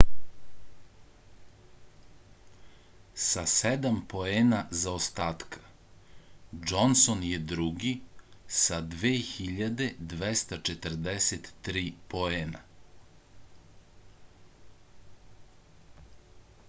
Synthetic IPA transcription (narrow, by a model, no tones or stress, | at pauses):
sased̪ampo̞eːnazaost̪aːt̪kʰḁ | d͡ʒonsonjed̪ɾuɡisad̪ʋeːxiʎad̪e̞d̪ʋest̪at͡ʃet̪əɾd̪eset̪ːɾiːpoeːna̰